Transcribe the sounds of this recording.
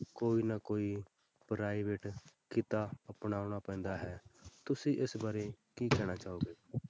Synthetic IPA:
koːiːnakoːiː | pɾaːiʋeːʈkɪt̪aːəpnaːʊɳ̃aːpɛ̃ːnd̪aːɦɛːt̪ʊsĩːʔɪsbaːɾeːkiːkɛːɽ̃aːt͡ʃaːoːɡeː

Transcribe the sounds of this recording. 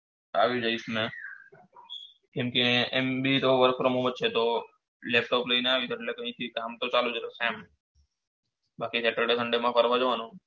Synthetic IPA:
a̰ʋũd͡ʒəismẽ | kẽmkeembit̪oʋəɾkfɾomũʋət͡ʃʰet̪o | lep̚ʈopləineaʋit̪ʰeʈlekə̃ɦĩt̪ʰikamt̪ot͡ʃalud͡ʒət̪osɛm | bakiseʈəɾɖesʰəɳɖemãpəɾʋad͡ʒəʋanũ

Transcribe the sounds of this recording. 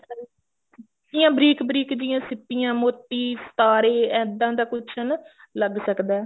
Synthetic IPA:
ɪjãːbɾiːkbɾiːkd͡ʒɪjãːsɪpɪjãːmoːt̪ːiːst̪aːɾeːɛ̃ːd̪ãːd̪aːkʊt͡ʃʰən | ləɡsəkd̪ɛː

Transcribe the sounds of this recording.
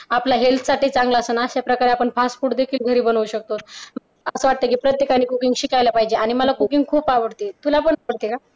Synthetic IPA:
aplaɦelt̪ʰsaʈiːt͡sãŋɡlaəsəːnaəɕapɾəkaɾeapəɳpasfuːʈd̪ekʰiːlɡʱəɾiːbənʋuɕək̚t̪ot̪mə | əsəʋaʈ̚t̪əkiːpɾət̪jekañiːkukiŋɡɕikajlapaɦid͡ʑeaɽ̃iməlakukiŋɡkʰuːpaʋəɽt̪et̪ulapəɳaʋəɽt̪eka

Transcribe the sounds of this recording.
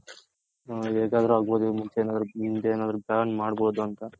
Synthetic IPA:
eːɡaːd̪ɐɾuaːɡboːd̪umunt͡ʃeeːnaːd̪ɐɾumund͡ʒeeːnaːd̪ɐɾupjaːɳmaːɽboːd̪uɐnt̪ɐ

